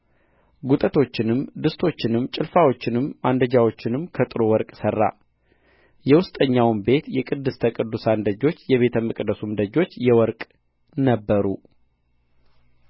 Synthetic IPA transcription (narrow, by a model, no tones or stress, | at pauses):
ɡut̪ʼət̪ʰo̞t͡ʃːɪnɨmd̪ɨst̪ʰo̞t͡ʃːɪnɨmt͡ʃʼɪlfawo̞t͡ʃːɪnɨmːand̪əd͡ʒawo̞t͡ʃːɪnɨmkʰət̪ʼɨɾowɔɾkʼsərːa̰ | jɛwʊst̪ʼəɲːawnbe̞t̪jɛkʼɨd̪ːɨst̪ʰəkʼɨd̪ːusand̪əd͡ʒo̞t͡ʃːjɛβe̞t̪ʰəməkʼd̪əsumd̪əd͡ʒo̞t͡ʃːjɛwɔɾkʼ | nəbːəɾu